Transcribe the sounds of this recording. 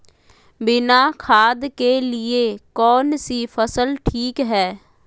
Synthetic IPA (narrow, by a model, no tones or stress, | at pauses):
bɪnakʰaːd̪kelɪekɔːnsifʰəsəlʈʰiːkɦɛː